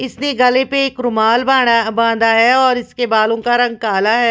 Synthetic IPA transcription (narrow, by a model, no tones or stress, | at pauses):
ɪsneɡɐlepeeːkɾʊmaːlbaːɽbãːd̪aɦɛɔːɾɪskebaːlõkaɾɐ̃ŋɡ̚kaːlaɦɛː